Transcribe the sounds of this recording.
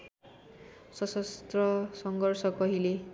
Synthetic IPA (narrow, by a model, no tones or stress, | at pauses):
sʌsʌst̪rʌsʌŋɡʌrsʌkʌɦile